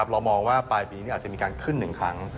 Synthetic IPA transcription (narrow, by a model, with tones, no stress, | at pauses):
a˦˥p̚ɾa˧wmɔː˧ŋwaː˥˩paː˧jpiː˧i˦˥i˥˩aː˨˩t͡ɕmi˧kaː˧nkʰɯ˥˩nːɯ˨˩ŋkʰɾa˦˥ŋ